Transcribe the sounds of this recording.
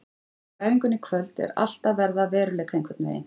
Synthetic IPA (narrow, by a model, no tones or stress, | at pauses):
kaːjviŋkʏnːɪkʰvœlt̪ɛ̰ɾa̰l̥t̪avɛɾðavɛːɾʏleːjkʰaiŋkvɛɾt̪nvḛːjɪ̰n